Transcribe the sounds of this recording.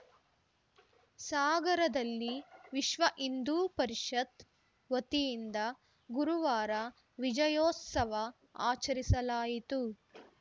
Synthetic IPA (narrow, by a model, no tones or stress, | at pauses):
saːɡɐɾɐd̪ɐlːiʋiʃʋɐʔind̪uːpɐɾiʂɐt̪ | ʋɐt̪ijind̪ɐ | ɡuɾuʋaːɾɐ | ʋid͡ʒɐjɔːt̪sɐʋɐ | aːt͡ʃɐɾisɐlaːjit̪u